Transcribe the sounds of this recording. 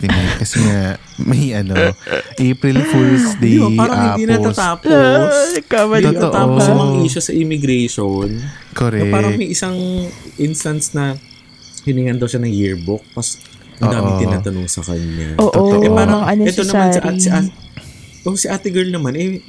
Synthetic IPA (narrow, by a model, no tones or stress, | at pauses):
t̪ɪkɐsɛŋa | mɐjʔɐnoʔeːpɾɪlfɛɹsd̪eɪbaaːɾɐŋhɪinɐt̪ɐt̪aːposkɐmɐɐʔt̪aːposɐmɐŋʔiːʃo̞sɐʔɪmɪɡɾɛjʃonkoɾɛɐaːɾɐŋmɐjʔɪsɐŋʔɪnst̪ɐnsnɐ | hɪnɪŋɐnd̪ɐwʃanɐŋjiɹbʊk̚mɐs | ʔɐnːd̪aːmɪŋt̪ɪaːt̪ɐnoŋsɐkɐɲːa̰ːʔoɛpaːɾɐŋʔɐnɛt̪onɐmansɪʔsɪʔaː | ʔosɪʔaːt̪ɪɡɛɹlnɐmanʔɛ